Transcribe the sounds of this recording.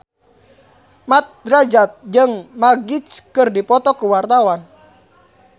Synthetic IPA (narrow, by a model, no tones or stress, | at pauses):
mat̪̚dɾad͡ʒat̪̚d͡ʒəŋmaɡit͡ʃkərdipɔt̪ɔkəwart̪awan